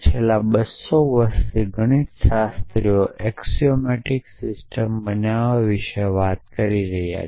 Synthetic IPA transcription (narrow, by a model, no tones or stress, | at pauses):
t͡ʃʰelːabəsoʋəɾʃt̪ʰiɡʱəɽ̃iʃast̪ɾioʔeksiomeʈiksɪsʈəmbənaʋaʋiʃeʋat̪kəɾiɾəɦija̰